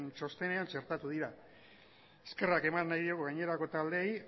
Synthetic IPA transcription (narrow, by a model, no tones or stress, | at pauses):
nt͡ʃo̞st̪e̞ne̞ant͡ʃe̞ɾt̪at̪uðiɾa | eske̞rake̞manːajðioɣuɣajɲe̞ɾako̞t̪ald̪e̞j